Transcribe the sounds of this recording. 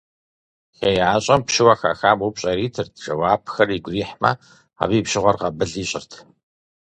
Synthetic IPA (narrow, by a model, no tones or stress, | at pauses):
xejʕaːɕʼɐmpʃɪwɐxa̰ːxaːmupɕʼɐɾiːtʰɨrtʰʈ͡ʂʼɐwaːpʰxɐriɡʷriːħmɐ̰ | a̰ːbiːpʃɪʁʷɔrqɐbɨɮiːɕʼɪrtʰ